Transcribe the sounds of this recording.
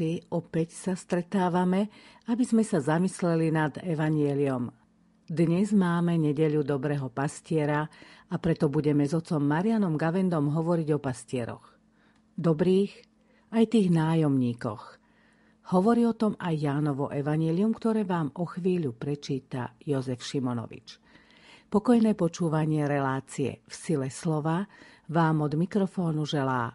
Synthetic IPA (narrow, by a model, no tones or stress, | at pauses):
iʔɔpɛcsast̪ɾɛt̪aːʋamɛabizmɛsazamislɛlinad̪ɛʋaɲɪɛliɔm | d̪ɲɛzmaːmɛɲɛɟɛʎud̪ɔbɾɛːɦɔpascɪɛɾaapɾɛt̪ɔbuɟɛmɛzɔt͡sɔmːaɾianɔmɡaʋɛnd̪ɔmɦɔʋɔɾiɟɔpascɪɛɾɔ̰ɣ | d̪ɔbɾiːx | ajt̪iːɣnaːjɔmɲiːkɔ̰x | hɔʋɔɾiːɔt̪ɔmajːaːnɔʋɔ̰ʔɛʋaɲɪɛliumkt̪ɔɾɛːʋaːmɔxʋiːʎupɾɛt͡ʃiːt̪a̰jɔzɛfʃimɔnɔ̰ʋḭt͡ʃ | pɔkɔjnɛːpɔt͡ʃuːʋaɲɪɛɾɛlaːt͡siɛ̰fsilɛslɔʋa | ʋaːmɔd̪mikɾɔfɔːnuʒɛlaː